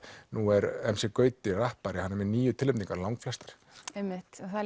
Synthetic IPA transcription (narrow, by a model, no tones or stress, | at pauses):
nuɛɾɛmsɪkœːɥt̪ɪrahpaɾɪhanːɛmɪniːjʏt̪ʰɪlʏmt̪iŋkaɾlawŋkflɛst̪ḁɾ̥ | emːɪht̪ɔθa